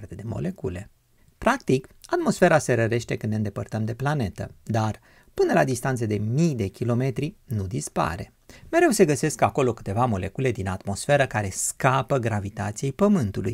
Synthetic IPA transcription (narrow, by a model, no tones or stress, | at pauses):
rt̪ed̪emo̰le̞kule̞ | pɾakt̪ikat̪mo̞sfe̞ɾase̞ɾəɾe̞ʃt̪e̞kɨnd̪eɨnd̪e̞pərt̪əmd̪e̞plane̞t̪əd̪ar | pɨnəlad̪ist̪ant̪səd̪e̞mijd̪e̞kʲilo̞me̞t̪ɾinud̪ispa̰ɾe̞ | me̞ɾe̞wse̞ɡəse̞skako̞lo̞kɨ̥t̪e̞vamo̞le̞kule̞d̪inat̪mo̞sfe̞ɾəkaɾe̞skapəɡɾavit̪at̪sijejpəmɨnt̪uluj